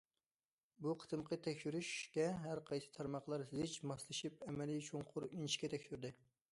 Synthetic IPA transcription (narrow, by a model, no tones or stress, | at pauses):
buqʰə̥t̪ɨmqʰət̪ʰɛkʲʃyɾyʃkʲɛɦæɾqʰɑjsɨ̥t̪ʰɑɾmɑχlˠɑɾsɪzɪt͡ʃmɑslˠɨʃip̚ɛmɛlit͡ʃʰoŋqʰʊɾiniʃkʲɛt̪ʰɛkʲʃyɾd̪ɨ